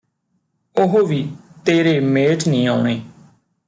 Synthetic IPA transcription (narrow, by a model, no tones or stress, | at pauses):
ʊɦoːʋiːt̪eːɾeːmeːʈʰnĩːaːʊɳeː